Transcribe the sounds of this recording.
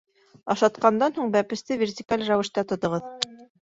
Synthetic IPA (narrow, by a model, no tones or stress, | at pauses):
ɑʃɑt̪qɑnd̪ɑnhuɴbæpɘ̆st̪ɘvʲertʲɪkalʲræwɘ̆ʃt̪æt̪ŏt̪ŏʁɤð